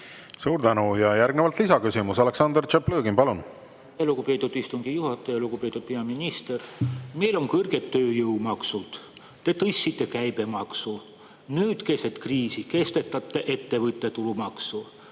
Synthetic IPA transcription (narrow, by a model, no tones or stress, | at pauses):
suːɾd̪ænujɑjærɡ̥nevɑlt̪lisɑkysimusɑle̞ksɑnd̪ert͡ʃepløːɡimpɑlun | elukupe̞ːt̪ːˑud̪̥ist̪uŋɡ̥ijuhɑt̪ːˑejɑluɡupe̞t̪ːˑud̪̥̚pe̞ɑminist̪ermejlo̞ŋkɤrɡ̥e̞t̪ːøːjɤwmɑksud̪̥ | t̪e̞t̪ɤsʲːit̪ˑːe̞kæjbe̞mɑksu | nyːd̪ke̞set̪kriːsike̞st̪e̞t̪ːˑɑt̪ːˑe̞ʔet̪ːe̞vɤt̪ˑːe̞t̪ulumɑksu